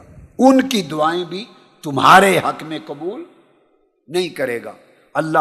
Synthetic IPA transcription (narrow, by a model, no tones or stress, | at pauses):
ʊnkid̪ʊaːẽbʱi | t̪ʊmɦa̰ːɾeɦɐkmẽqɐbuːl | nɐɦĩkɐɾeːɡa̰ː | ɐlːa